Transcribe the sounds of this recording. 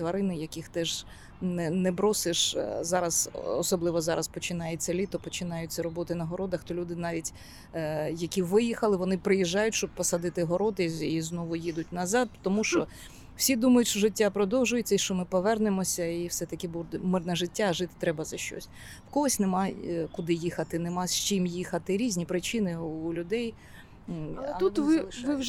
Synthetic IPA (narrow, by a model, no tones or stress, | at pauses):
t̪ʋɐɾɪnɪjɐkʲɪxt̪ɛʒ | nɛnɛbɾɔsɪʃzɑɾɐzɔsɔblˠɪʋɔzɑɾɐspɔt͡ʃɪnɑjet͡sʲːɐlʲit̪ɔpɔt͡ʃɪnɑjʊt͡sʲːɐɾɔbɔt̪ɪnɐɦɔɾɔd̪ɐxt̪ɔlʲud̪ɪnɑʋʲitʲ | jɐkʲiʋɪjixɐlˠɪʋɔnɪpɾɪjiʒːɑjʊtʲʃt͡ʃɔb̚pɔsɐd̪ɪt̪ɪɦɔɾɔd̪ɪiznɔʋʊjid̪ʊt̚ʲnɐzɑd̪̚t̪ɔmuʃt͡ʃɔ | wsʲid̪umɐjʊtʲʃt͡ʃɔʒɪtʲːapɾɔd̪ɔwʒʊjet͡sʲːɐiʃt͡ʃɔmɪpɔʋɛrnɪmɔsʲɐiwsɛt̪ɐkʲɪbud̪mɪrnɛʒɪtʲːaʒɪt̪ɪ̥t̪ɾɛbɐzɐʃt͡ʃɔ̰sʲ | wkɔɦɔsʲnemɑkʊd̪ɪjixɐt̪ɪnemɑʃt͡ʃimjixɐt̪ɪɾʲizʲnʲipɾɪt͡ʃɪnɪulʲʊd̪ɛj | t̪ut̪ʋɪʋɪ